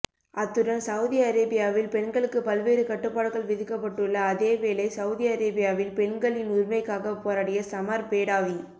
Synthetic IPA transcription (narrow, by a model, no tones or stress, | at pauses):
ʔɐt̪ːɯɽɐnsɐwʊðiɐɾɐːbɪjaːʋɪlpɛɳɡɐɭɯkːɯpɐlʋeːɾɯkɐʈːɯpːaːɽɐɣɐɭʋɪðɯkːɐpːɐʈːɯɭːɐːðeːʋeːlɐɪsɐʊðiɐɾɐːbɪjaːʋɪlpɛɳɡɐɭɪnʊɾmɐɪkːaːɣɐpːoːɾɐːɽɪjɐsɐmɐɾbeːɽaːʋɪ